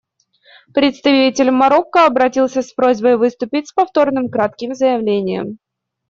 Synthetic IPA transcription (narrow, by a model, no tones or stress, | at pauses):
pɾʲɪt̪st̪ɐvʲitʲɪlʲmːɐɾo̞kːəɐbɾɐtʲilˠsʲəspɾo̞zʲbəjvɨst̪ʊpʲɪtʲspɐft̪o̞rnɨmkɾat̪̚kʲɪmzəjɪvlʲenʲɪjə̰m